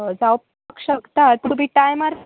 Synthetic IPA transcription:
d͡zawp | kʂəkt̪at̪ubʱiʈajmaɾ

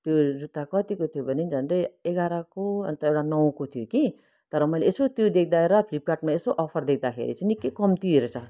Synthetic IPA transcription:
t̪jod͡zut̪ːakʌt̪ikot̪ʰijobʱʌnend͡zʱʌndʌjeɡaɾakoʌ̰nt̪ʌewʈanʌw̃kot̪ʰijoki | t̪ʌɾʌmʌjleesot̪jod̪ek̚ʰd̪aeɾʌpʰlip̚kaʈmaesoʔʌpʰʌrd̪ek̚ʰd̪akʰḛɾḭt͡sʌnikːekʌmt̪ieɾot͡sʰʌ

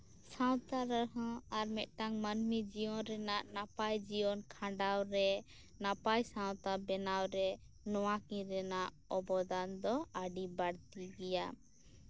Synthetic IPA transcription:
sãwt̪aɾəɦɔ̃aɾmɛʔ̪̚ˀʈaŋmanmid͡ʒijɔnɾɛnaʔnapajd͡ʒiɔnkʰãɖawɾɛ | napajsãw̃t̪abɛnawɾɛ | nɔwakĩɾɛnaʔ | ɔbɔd̪and̪ɔaɖibaɽt̪iɡɛja

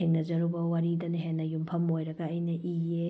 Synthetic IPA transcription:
heŋnɐzɐɾubɐwaɾidɐneɦenːɐjumpʰɐmojɾɐɡɐːjnɐʔie

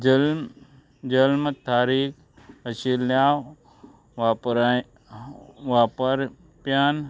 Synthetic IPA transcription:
d͡ʒɐlmt̪aːɾiːkʰ | ɐsilaːw | ʋapɾ | ʋaːpəɾ | pjaːn

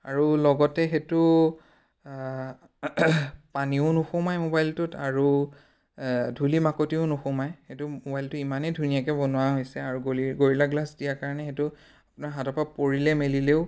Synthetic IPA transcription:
a̰ɹulɔɡɔtɛxetʊ | paniʊnuxʊmajmobajltʊtaɹu | dʱulimakotiʊnʊxʊmajxetʊmobajltʊimanɛdʱunijakɛbɔnʊwaɦojsɛaɹuɡɡoɹilaɡlasdijakaɹɔnɛxetʊ | apʊnaɹɦatɔpapoɹilɛmelileʊ

